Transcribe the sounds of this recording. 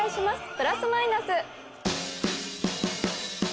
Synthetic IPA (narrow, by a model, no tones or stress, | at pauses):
iɕimasɨ̥pɯ̟ɾasɨmainasɨ